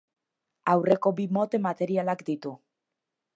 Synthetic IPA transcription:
awre̞ko̞bimo̞t̪e̞mat̪e̞ɾialakd̪it̪u

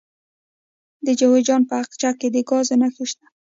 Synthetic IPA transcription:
d̪əd͡ʒawed͡ʒɑnpəaqt͡ʃakːed̪əɡɑzenaxiʃt̪a

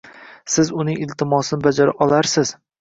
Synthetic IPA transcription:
sɪzʊnɪŋɪlt̪ʰɪmɒsɪnɪbad͡ʒaɾaʔɒlaɾsɪz̥

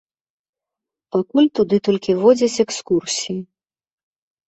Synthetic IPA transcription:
pakulʲt̪ud̪ɨt̪ɔlʲkʲivɔd͡zʲɐt͡sʲɛkskursʲiji

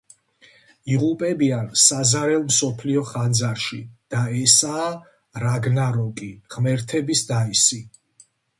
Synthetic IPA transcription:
iʁupʼɛbiansazaɾɛlˠmsɔpʰliɔχand̪zaɾʃid̪̥aɛsaː | ɾaɡnaɾɔkʼiʁmɛɾt̪ʰɛbisd̪aisi

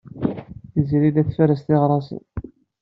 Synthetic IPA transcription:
θizɾilæθfæɾəst̪iʁɾˤɑsə̰n

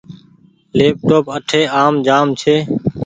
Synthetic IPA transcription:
leːp̚ʈoːpəʈʰeːaːmd͡ʒaːmt͡ʃʰeː

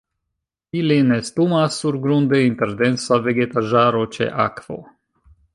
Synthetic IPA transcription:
ilinest̪umasːuɾɡɾund̪eint̪eɾd̪ensaveɡet̪aʒaɾot͡ʃḛʔa̰kv̥o̰

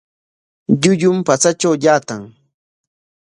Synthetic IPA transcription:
ʎʊʎʊmpat͡sat͡ʃawjaːt̪aŋ

